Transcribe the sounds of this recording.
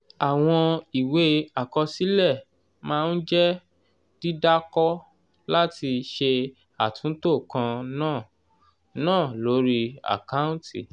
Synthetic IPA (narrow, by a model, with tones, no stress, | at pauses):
a˨w̃ɔ̃˧i˨we˨˦a˨kɔ˧si˦lɛ˦˨ | mãː˦˧n̩˦d͡ʒɛ˦ | d̥i˦da˦kɔ˦ | la˦ti˧ʃe˧ | a˨tũ˨˦to˦˨kã˧nãː˦˨ | nãː˦˨lo˨˦ɾi˦a̰˨ka˦ũ˦tʰḭ˦˨